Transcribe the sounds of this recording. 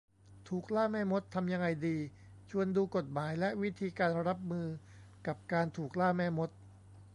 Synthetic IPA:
t̪ʰuː˨˩k̚laː˥˩mɛː˥˩mo˦˥t̪ʰːa˧mja˧ŋːa˧jdiː˧ | t͡ɕʰu˧ənduː˧ko˨˩t̪̚maː˩˦jlɛ˦˥ʔwi˦˥t̪ʰiː˧kaː˧nɾa˦˥p̚mɯː˧ | ka˨˩p̚kaː˧nt̪ʰuː˨˩k̚laː˥˩mɛː˥˩mo˦˥t̪̚

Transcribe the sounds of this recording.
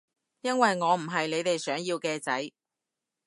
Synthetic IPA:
jɐ˥nwɐ˨jŋɔː˨˧m̩˨˩ɦɐ˨jle˨˧jt̪e˨jsœː˨˥ŋjiː˧wkɛː˧t͡sɐ˨˥j

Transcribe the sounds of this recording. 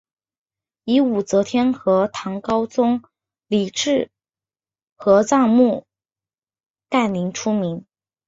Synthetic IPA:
i˧˥u˨˩t͡sɤ˧˥t̪ʰjɛ˥nxɤ˧˥t̪ʰɑ˧˥ŋkɑ˥ʊt͡sʊ˥ŋ | li˨˩ʈ͡ʂɻ̩˥˩ | xɤ˧˥t͡sɑ˥˧ŋmu˥˩ | t̪a˥˩nli˧˥ŋʈ͡ʂʰu˥mi˧˥n

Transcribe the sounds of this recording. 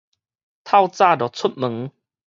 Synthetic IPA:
t̪ʰa˥˧wt͡sa˥˧˨dɔ˨˩t͡sʰu˦˥t̚mə˨˦ŋ

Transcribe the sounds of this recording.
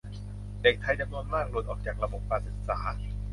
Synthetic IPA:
de˨˩k̚t̪ʰa˧jda˧mnu˧nmaː˥˩k̚lo˧˩t̪ʔɔː˨˩k̚t͡ɕaː˨˩k̚ɾa˧bo˨˩p̚kaː˧nsɯ˨˩t̪̚saː˩˦

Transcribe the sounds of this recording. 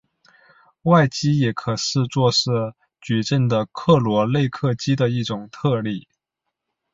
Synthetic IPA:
wa˥˩ɪt͡ɕi˥jɛ˨˥kʰɤ˨˩ʂɻ̩˥˧t͡swɔ˥˧ʂɻ̩˥˩ | t͡ɕɛ˨˩ʈ͡ʂə˥˩ŋd̪ə˩kʰɤ˥˩lwɔ˧˥le˥˧ɪkʰɤ˥˩t͡ɕi˥d̪ə˨i˥˩ʈ͡ʂʊ˨˩ŋt̪ʰɤ˥˧li˥˩

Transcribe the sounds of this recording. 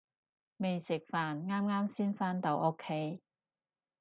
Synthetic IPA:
me˨jsɪ˨k̚faː˨nŋaː˥mŋaː˥msiː˥nfaː˥nt̪ɐ˨˧˥wʔo˥kʰːe˥j

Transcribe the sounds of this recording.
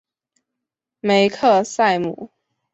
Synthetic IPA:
me˧˦ɪkʰɤ˥˧sa˥˩ɪmṵ˨˦

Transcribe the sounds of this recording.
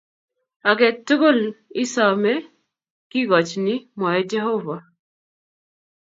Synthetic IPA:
a˨ɡɛ˨to˦ɡo˦˨lɪ˦sa˨mɛ˦ | kɪ˦ɡɔ˨t͡ʃnɪ˦mɔ˨jɛ˦d͡ʒɛ˦ɦo˦va˨

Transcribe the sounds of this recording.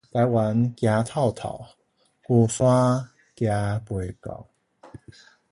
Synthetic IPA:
t̪a˨˦ɪjwa˨˦nkja˧t̪ʰa˥˧ʊt̪ʰa̰˨˩ʊ | kɔ˧˩fa˦ | kja˧pwe˧˩ka̰˨˩˦ʊ

